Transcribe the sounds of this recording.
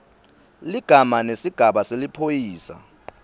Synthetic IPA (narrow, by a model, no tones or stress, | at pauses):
liɡ̥ʱamanesiɡ̥ʱaɓaselipʰojiːsa̰